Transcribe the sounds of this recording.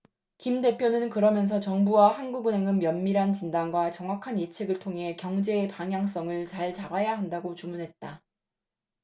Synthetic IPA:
kimde̞pʰjonɯnkɯɾʌmjʌnsʰʌt͡ɕʌŋbuwahanɡuɡɯne̞ŋɯmjʌnmiɾɦant͡ɕindanɡwat͡ɕʌŋwakʰanje̞t͡ɕʰeɡɯɭtʰoŋɦe̞kjʌŋd͡ʑe̞ːpaŋɦjaŋs͈ʌŋɯɭt͡ɕaɭt͡ɕabajaɦandaɡot͡ɕumunɦe̞t̚t͈a

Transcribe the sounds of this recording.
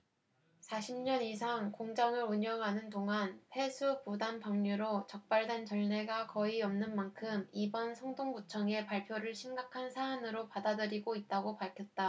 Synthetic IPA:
sʰaɕʰimɲʌnisʰaŋkoŋd͡ʑaŋɯɾuɲʌŋɦanɯndoŋanɸʰwe̞sʰupudanpaŋɲuɾot͡ɕʌk̚p͈aɭdwe̞nt͡ɕʌɭne̞ɡakʌiʌmnɯnmankʰɯmibʌnsʰʌŋdoŋɡut͡ɕʰʌŋe̞paɭpʰjoɾɯɭɕʰimɡakʰansʰaːnɯɾopadadɯɾiɡoit̚t͈aɡopaɭkʰjʌt̚t͈a

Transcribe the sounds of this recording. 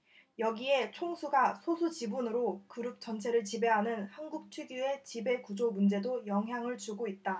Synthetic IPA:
jʌɡie̞t͡ɕʰoŋsʰuɡasʰosʰut͡ɕibunɯɾokɯɾup̚t͡ɕ͈ʌnt͡ɕʰe̞ɾɯɭt͡ɕibe̞ɦanɯnhanɡuk̚t͡ɕʰwiɡie̞t͡ɕibe̞kud͡ʑomund͡ʑe̞dojʌŋɦjaŋɯɭt͡ɕuɡoit̚t͈a

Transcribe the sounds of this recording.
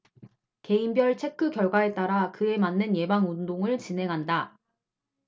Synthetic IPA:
ke̞imbjʌɭt͡ɕʰe̞k͈ʰɯkjʌɭɡwae̞t͈aɾakɯe̞manːɯnje̞baŋundoŋɯɭt͡ɕine̞ŋɦanda

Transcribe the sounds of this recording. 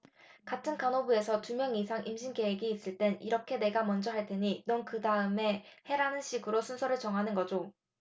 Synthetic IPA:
katʰɯnkanobue̞sʰʌtumjʌŋisʰaŋʔimɕʰinke̞eɡiːs͈ɯɭt͈e̞niɾʌkʰe̞ne̞ɡamʌnd͡ʑʌɦaɭt͈e̞ɲinʌnkɯdaɯme̞he̞ɾanɯnɕʰiɡɯɾosʰunsʰʌɾɯɭt͡ɕʌŋɦanɯnɡʌd͡ʑo

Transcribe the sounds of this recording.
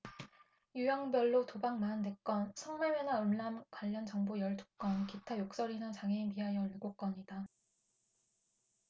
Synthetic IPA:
jujʌŋbjʌɭːotobaŋmande̞k͈ʌnsʰʌŋwe̞wenaɯmːamkwaʎːʌnt͡ɕʌŋbojʌɭtʰu̥k͈ʌnkitʰajok̚s͈ʌɾinɯt͡ɕaŋiimiɦajʌɭiɡok͈ʌɲida

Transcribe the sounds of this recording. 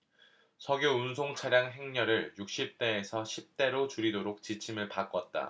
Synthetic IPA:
sʰʌɡjouns̬ʰoŋt͡ɕʰaɾjaŋɦe̞ŋɲʌɾɯɭjuk̚ɕ͈ip̚t͈e̞ːsʰʌɕʰip̚t͈e̞ɾot͡ɕuɾidoɾok̚t͡ɕit͡ɕʰimɯɭpak͈ʌt̚t͈a̰

